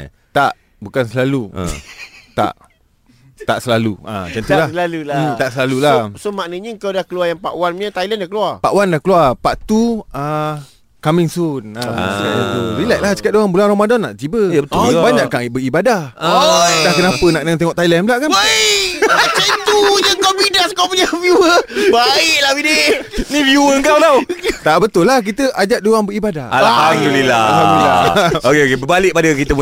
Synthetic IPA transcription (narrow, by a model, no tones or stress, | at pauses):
t̪a̰ʔ | bukansəlalṵt̪a̰ʔ | t̪aʔsəlalua̰t͡ʃant̪lalut̪aʔsəlalulasomaʔnəɲəəŋkawdahkəluajaŋpaʔwanɲət̪ailɛndahkəluapaʔwandahkəluapaʔt̪ua | kamiŋsunakaauɾilajʔlat͡ʃə̥kat̪̚doɣanbulanromadɔnːaʔd͡ʒibəəbaɲaʔkːaŋibəibadah | dahkənapənaʔdəŋant̪eŋɔʔt̪ajlɛnblaʔkanajat͡ʃait̪ujakaidaskawpuɲavjuəbaiʔlahbidenivjuəəŋkawlawt̪aʔbət̪ʊlːahk̬it̪əʔad͡ʒat̪ʔ̚doaŋbəɾibadaalaamulila̰aulila̰okeokebəbalɪʔ̚padəkit̪əpu